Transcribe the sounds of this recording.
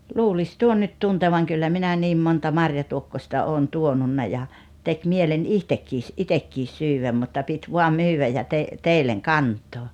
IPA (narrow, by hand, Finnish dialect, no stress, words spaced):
luːlis tuon nyt tunteʋɑŋ kylːæ minæ niːm montɑ mɑrjɑtuokːosʲtɑ oːn tuonunːɑ jɑ tek mielen ihtekːiːs ʔitekːis syːwæm mutːɑ pit ʋuɑm myːwæj jɑ te teilːeŋ kɑntˑoː